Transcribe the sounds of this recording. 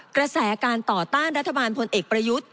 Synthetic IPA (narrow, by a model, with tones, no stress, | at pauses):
kɾa˧sɛː˩˦˥akaː˧nt̪ɔː˨˩t̪aː˥˩nɾa˦˥t̪ʰːa˧baː˧npʰo˧nʔeː˨˩k̚pɾa˧ju˦˥t̪̚